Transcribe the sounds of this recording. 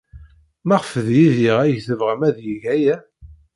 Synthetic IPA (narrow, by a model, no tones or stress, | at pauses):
mæʁfəðjiðiʁæjθəvʁəmæðjiʝæjæ